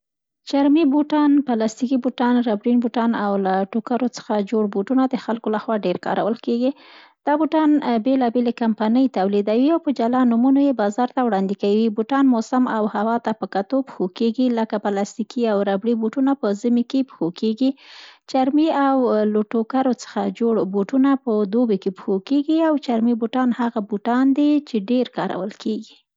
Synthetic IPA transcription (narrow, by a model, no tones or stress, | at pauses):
t͡ʃaɾmibuʈɑnpalɑst̪ikibuʈɑnɾabɽinbuʈɑnawlaʈokaɾot͡sə̥xad͡ʒoɽbuʈunad̪əxalkolaxwɑɖeɾkɑ̰ɾa̰wəlkeɡi | d̪̥ɑbuʈɑnbelɑbelekampanəjt̪awlid̪awiawpəd͡ʒalɑnumunojebɑzɑɾt̪awɽɑnd̪ikawibuʈɑnmosamawhawɑt̪apəkat̪opxokeɡiləkapəlast̪ikʰiawɾabɽibuʈunapəzimikepxokʰeɡit͡ʃaɾmiawloʈokaɾot͡sə̥xa̰d͡ʒoɽboʈunapəd̪obekepxokeɡiawt͡ʃaɾmibuʈɑnhaɣabuʈɑnd̪it͡ʃeɖeɾkɑɾa̰wəlkʰeɡi